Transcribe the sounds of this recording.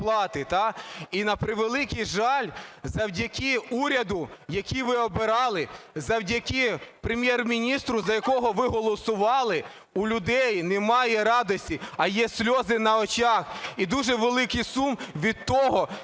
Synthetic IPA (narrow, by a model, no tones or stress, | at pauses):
plˠɑt̪ɪt̪ɑinɐpɾɪʋelˠɪkijʒɑlʲzɐwdʲɐkʲiuɾʲɐd̪ʊjɐkʲiʋɪɔbeɾɑlˠɪzɐwdʲɐkʲipɾemʲjɛrmʲinʲist̪ɾʊzɐjɐkɔɦɔʋɪɦɔlˠɔsʊʋɑlˠɪ | ulʲʊd̪ɛjnɛmɑjɛɾɑd̪ɔsʲtʲiɐjɛsʲlʲɔzɪnɐɔt͡ʃɑxid̪uʒɛʋelˠɪkɪjsumʋʲid̪̚t̪ɔɦɔ